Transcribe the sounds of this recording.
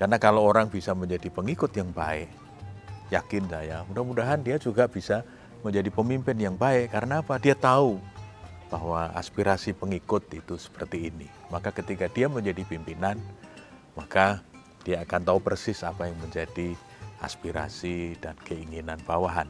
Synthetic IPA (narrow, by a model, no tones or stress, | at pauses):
karnakalowoɾaŋbisaməɲd͡ʒadipəŋikʊt̪jaŋbaɛʔ | jakɪnsajamudahmudaɦandiad͡ʒuɡab̥isa | məɲd͡ʒadipəmimpɪnjaŋbaɛʔkaɾənaːpadiat̪au | b̥aɦwaa̰spiɾasipəŋikʊt̪̚it̪usə̥pərt̪iːnimakakət̪ikadiaməɲd͡ʒadipimpinan | maka | d̥iaːkant̪aupərsɪsapajaŋməɲd͡ʒadi | a̰spiɾa̰sidankəiŋinanbawaɦan